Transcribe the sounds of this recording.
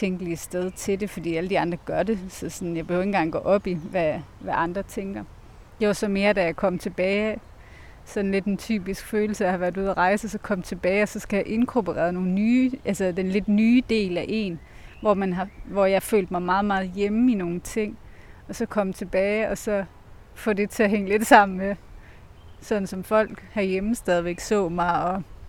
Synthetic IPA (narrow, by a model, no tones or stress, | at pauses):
t͡sʰeŋɡ̥əliəsd̥eð̞ˠt͡sʰe̝de̝fɒ̽d̥ḭːæləd̥iɑ̈nd̥ʁɐɡ̥ɶɐɾe̝sɒ̽sɒ̽njɑ̈b̥e̝høʊe̝nɡɑ̈ŋɡ̥ɒ̰ːʔɒ̽b̥iʋæʋæʔɑ̈nd̥ʁɐt͡sʰeŋɡ̥ɐ | d̥eʋɑsɒ̽me̝ːɐd̥æjɑ̈ɪkʰɒ̽m̰t͡sʰe̝b̥ɛːɪ | sɒ̽n̩le̝d̥ent͡sʰy̰ːb̥isɡ̥føːl̩səjɑhɑ̈ʋæɐd̥uð̞̰ˠɐʁɑ̈ɪsəsɒ̽kʰɒ̽m̰t͡sʰe̝b̥ɛːɪɒ̽sɒ̽sɡ̥æjɑ̈ʔe̝nkʰobʰoʁɛ̰ɐðˠno̝ːn̩nyːʔælsɐd̥enle̝d̥nyːd̥e̝̰ːlæʔe̝ːnʋɒmænɦɑ̈ʋɒjɑ̈fø̰ːld̥̚mɑ̈ɪmɑ̈ːð̞̩ˠmɑ̈ːð̞̩ˠjeməino̝ːn̩t͡sʰe̝ŋ̰ | ɒ̽sɒ̽kʰɒ̽m̰t͡sʰe̝b̥ɛːɪɒ̽sɒ̽ | fɔ̽de̝t͡sʰe̝ɐɦeŋ̰əle̝d̥sɑ̈m̰n̩me | sɒ̽d̥n̩sɒ̽mfɒ̽l̰ɡ̥hɑjeməsd̥ɛð̞ˠiʋeɡ̥sɔ̰̽ːmɑɪɒ̽